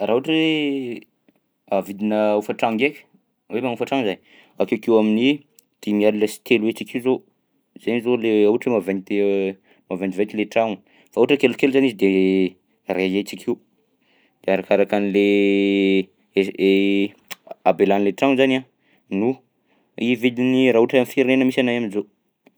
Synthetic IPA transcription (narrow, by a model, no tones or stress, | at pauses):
rauaʈ͡ʂwe | avid̪inəufaʈ͡ʂaŋɡekʲə̥ | wemaŋufaʈ͡ʂaŋzan | akekewamini | d̪̥imialiləsi̥t̪eluet͡ʃikizo | z̥enizoleuʈ͡ʂwemavant̪e | mavand͡ʒ̪ivet̪ileʈ͡ʂaŋ | fauʈ͡ʂəkelukeluzanizid̪e | reet͡ʃikʰiw | d̪̥eaɾakaɾakanile | abelanleʈ͡ʂaŋzana | nu | ivid̪iniɾaɦuʈ͡ʂamfiɾinenəmisanajaminzo